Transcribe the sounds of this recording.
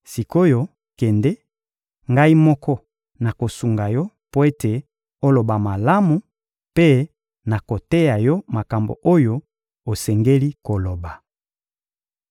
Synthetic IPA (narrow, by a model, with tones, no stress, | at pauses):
si˨ko˦jo˦ | kɛ˨nde˦ | ŋɡa˦i˦mɔ˦kʰɔ˦ | na˨ko˨su˨ŋɡa˨jɔ˦ | po˦e˦te˨ | o˦lo˨ba˨ma˨la˦mu˨ | pe˦ | na˨ko˨te˦ja˨jɔ˦ma˨ka˨mbo̰˨ʔo˦jo˦ | o˨sɛ˨ŋɡe˦li˦ko˨lo˨ba˨